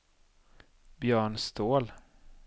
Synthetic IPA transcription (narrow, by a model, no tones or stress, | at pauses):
bjœːɳst̪ʰoːl